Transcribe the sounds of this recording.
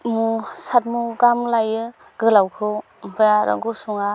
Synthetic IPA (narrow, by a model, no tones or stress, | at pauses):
musat̚muɡamlajɯ | ɡɯlawkʰɯw | mpʰɯjaɾɯ̰ɡusuŋa